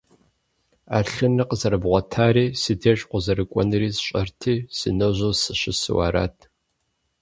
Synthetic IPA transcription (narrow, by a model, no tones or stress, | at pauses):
aːɬɨnɨqzɐɾɨbʁʷɔtʰaːɾiːsɨdʰeːɕʼqʷʼʊzɐrɨkʷʼɔnɨriːzɕʼɐrtʰiːsɨ̰nɐwʑoːsɨɕɪsɨ̰wa̰ːɾa̰ːtʰ